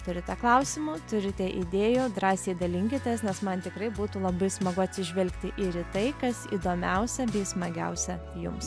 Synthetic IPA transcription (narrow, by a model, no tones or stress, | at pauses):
t̪ʊɾʲɪt̪ʲɛklˠɐʊsʲɪmʊt̪ʊɾʲɪt̪ʲɛʔid̪ʲeːjʊːd̪ɾɑːsʲeːd̪ɐlʲɪŋʲkʲɪt̪ʲesnʲɛsmɐnt̪ʲɪkɾɐɪbuːt̪uːlˠɐbɐɪsmɐɡʊɐt̪ʲsʲɪʒʲʋʲɛlʲkt̪ʲɪʔiɾɪt̪ɐɪkɐsḭd̪oːmʲɛʊsʲɛbʲɛɪsmɐɡʲɛ̰ʊsʲɛ | jʊ̰ms